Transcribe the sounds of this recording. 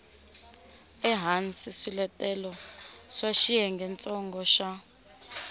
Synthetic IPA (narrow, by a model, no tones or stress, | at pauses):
ɛɦansisilɛtʼɛlɔswaʃijɛŋɡʱɛnt͡sʼɔŋɡɔʃa